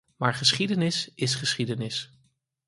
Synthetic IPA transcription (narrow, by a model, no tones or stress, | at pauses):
maːɹχəsχidənɪsɪsχəsχidənɪs